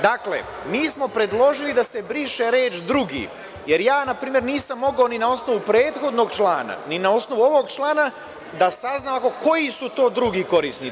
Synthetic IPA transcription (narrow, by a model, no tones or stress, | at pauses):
d̪aklḛ | miːsmo̞pɾe̞d̪lˠo̞ʒilid̪ase̞bɾiːʃe̞ɾeːt͡ʃd̪ɾuɡḭ | je̞ɾjaːnapɾiːmjeɾniːsamːo̞ɡaoninao̞sno̞ʋupɾe̞ːt̪xo̞d̪no̞ɡt͡ʃlˠaːna̰ninao̞sno̞ʋuo̞ʋo̞ɡt͡ʃlˠaːna | d̪asaznaːakoko̞jisut̪o̞ːd̪ɾuɡiːko̞ɾisni